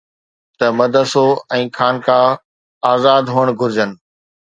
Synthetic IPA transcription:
t̪ɐmɐd̪ʱəsoɛ̃ːkʰaːnkʰãː | aːzaːd̪ɦuːəɽ̃ɡʱʊɾɪd͡ʑənɪ̆

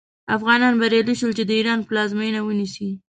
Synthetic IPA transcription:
afɣɑnɑnbaɾjɑliʃəlt͡ʃed̪əiɾɑnplɑzmejnawənisi

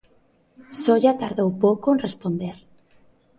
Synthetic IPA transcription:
sɔʎat̪aɾðowpowkoẽnrespond̪eɾ

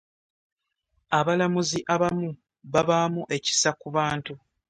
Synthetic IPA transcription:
aβalamuziʔaβamu | βaβaːmuʔe̞ci̥sakuβaːntu

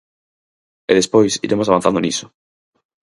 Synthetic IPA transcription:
eðespojsḭɾemoaβãn̟θand̪oniso̥

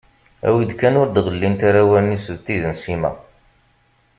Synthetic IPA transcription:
æ̰wid̪kænʊɾd̪ðˤəlːint̪aɾæwænisəvt̪iðənsimæ̰

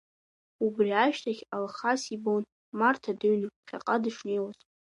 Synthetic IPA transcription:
ubriaʃᶣtʰaχʲalχasibown | martʰadɨɥnɨχʲa̰qʼadɨʂne̞jwazʼ

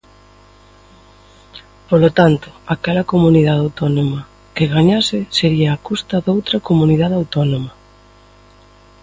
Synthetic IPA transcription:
polot̪ant̪ʊ̥akɛlɐkomuniðaðawt̪ɔnomɐ | keɣaɲasɪseɾiɐːkust̪ɐðowt̪ɾɐkomuniðaðawt̪ɔnomɐ

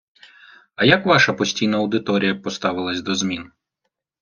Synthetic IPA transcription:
ɐjakʋɑʃɐpɔsʲtʲijnɐɐwd̪ɪt̪ɔɾʲijɐpɔst̪ɑʋɪlˠɐsʲd̪ɔzmʲin

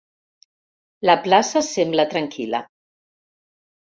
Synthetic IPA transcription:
ləplasəsemblət̪ɾəŋkilə̰

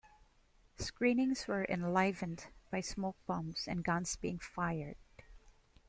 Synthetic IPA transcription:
skɹĩːnɪ̃ŋswə˞ʔɛ̰̃nlaɪvɨ̃ndb̥ajsmoʊk̚b̥ʌ̃msɛ̰̃nɡʌ̃nsb̥iɪ̃ŋfajəɹd̥

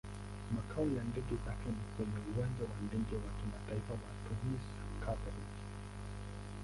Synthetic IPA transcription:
makʰaɔjandɛɡɛzakɛnikwɛɲɛuwand͡ʒawandɛɡɛwakimataifawatʰumisḁkʰavaɾiki

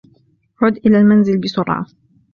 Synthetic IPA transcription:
ʕʊd̪ʔɪlaːlmanzɪlbɪsʊɾˤʕɑ̰

